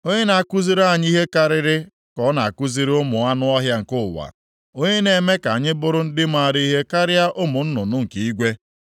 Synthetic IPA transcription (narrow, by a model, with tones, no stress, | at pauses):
o˦ɲe˦na˨a˨ku˦zi˦ɾa˦˨ɲ˦i˦ɦe˦ka˦ɾɪ˦ɾɪ˦ | kɔ˦na˨a˨ku˦zi˦ɾʊ˦mʊ˨a˦nʊ˦ɔ˦ɦja˦ŋ̩˨kʊ˦˨wa̰˨ | o˦ɲe˦ne˨me˦ka˨a˨ɲɪ˦bʊ˦ɾʊ˦n̩˦dɪ˦ma˦˨ɾi˦i˦ɦe˦ka˦ɾɪ˦a˦ʔʊ˦mʊ˨n̩˦nʊ˨nʊ˦ŋ̩˨ki˨i˦ɡʷe˦